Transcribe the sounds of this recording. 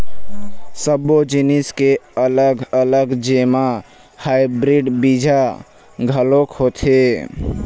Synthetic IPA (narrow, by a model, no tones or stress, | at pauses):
səbːod͡ʒiniskeələɡələɡd͡ʒema | haibɾiɖbid͡ʒʱa | ɡʱəlokɦot̪ʰe